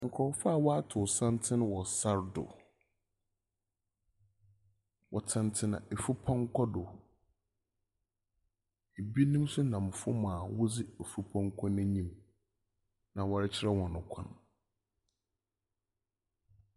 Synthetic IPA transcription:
ŋ̩˨kʰɔ˨˦fa˦˨wɔ˦a˦tʰʊ˨sã˦ntʰɪ̃˦ñ˦wɔ˨sa˦ɾdʊ̰˨ | wʔɔ˨tʰã˨ntʰɪ˦nã̰˨ʔe˨fu˦pʰɔ̃˦ŋ˦kʰɔ˦dʊ˨ | e˨bi˦nĩ˦m˦sʊ˦nã˨m˨fʊ˦mãː˨wʊ˦d͡zɪ˦e˨fu˦pʰɔ̃˦ŋ˦kʰɔ̃˦nɪ̃˦ɲĩ˦m | nã˨wɔ˨ɾɪ˦t͡ɕʰɪ˦ɾɛ˦hɔ̃˨nʊ̃˨kʷʰã̰˦n

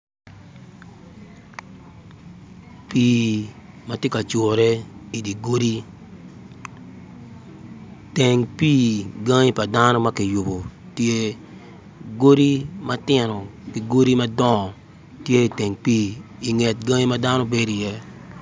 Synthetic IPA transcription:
piː˦ | ma˨tje˦ka˨t͡ʃo˨ɾɛ˦i˨di˨ɡo˦ɾi˦ | tɛ˨ŋpiː˦ɡa˦ŋi˦pa˨da˦no˦ma˦kɪ˨jʊ˨bo˨ | tje˦ | ɡo˦ɾi˦ma˦tɪ˦no˨kɪ˨ɡo˦ɾi˦ma˦dɔ˦˨ | tje˦i˨tɛ˨ŋpiː˦i˨ŋɛ˨t̚ɡã˦ŋi˦ma˦da˦no˦be˦di˨jɛ˦

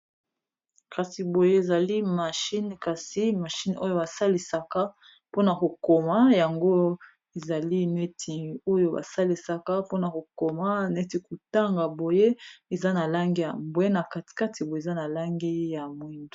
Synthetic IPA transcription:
kʰa˨si˨bo˨je˦e˨za˨li˦ma˨ʃi˦n˨ka˨si˦ma˨ʃi˦no˦jo˦ba˨sa˦li˨sa˨ka˦ | po˦na˨ko˨ko˨ma˦ja˨ŋɡo˦ | e˨za˨li˦ne˦tʰi˨o˦jo˦ba̰˨sa˦li˨sa˦ka˦po˦na˨ko˨ko˨ma˦ne˦ti˨ku˨ta˦ŋɡa˨bo˨je˦e˨za˦na˨la˦ŋɡi˦ja̰˨mbwe˦na˨ka˨ti̥˨ka˦ti˨bo˨e˨za˦na˨la˦ŋɡi˦ja˨mwi˦ndo˨

